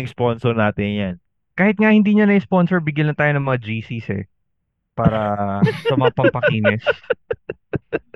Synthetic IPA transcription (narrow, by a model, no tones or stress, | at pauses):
ɪŋsponsɔɾnaːt̪ɪnjan | kaːhɪt̪̚ŋahɪnd̪iːɲɐnɐɪsponsɔɹbɪɡjɐnnɐt̪aːjonɐŋmɐŋad͡ʒiːsisɛ̰ | paːɾɐsɐmɐŋapɐŋpɐkiːnɛs